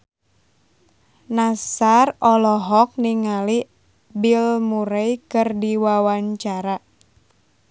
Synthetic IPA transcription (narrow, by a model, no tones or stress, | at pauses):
nasarɔlɔɦɔk̚niŋali | bilmuɾejkɨrdiwawaɲt͡ʃaɾa